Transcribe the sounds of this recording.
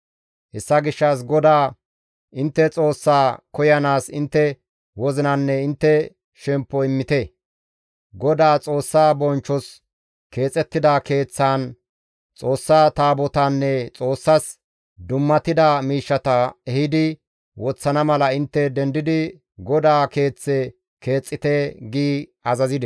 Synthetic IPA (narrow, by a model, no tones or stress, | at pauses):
hɛsːɐɡɪʃːɐs̬ɡɔd̪aː | ʔɪnt̪ːɛt͡sʼo̞ːsːaːkɔjɐnaːsɪnt̪ːɛ | wɔzɪnɐnːɛɪnt̪ːɛ | ʃɛmpːɔɪmːɪt̪ɛ | ɡɔd̪aːt͡sʼo̞ːsːaːbɔnt͡ʃːɔs | ke̞ːt͡sʼɛt̪ːɪd̪ake̞ːt͡sːaːn | t͡sʼo̞ːsːaːt̪aːbɔt̪ɐnːɛt͡sʼo̞ːsːɐs | d̪ʊmːɐt̪ɪd̪ɐmiːʃːɐt̪ɐɛhɪd̪ɪ | wɔt͡sːɐnɐmɐlɐɪnt̪ːɛd̪ɛnd̪ɪd̪ɪ | ɡɔd̪aːke̞ːt͡sːɛ | ke̞ːt͡sʼːɪt̪ɛɡiːɐzɐzɪd̪ɛ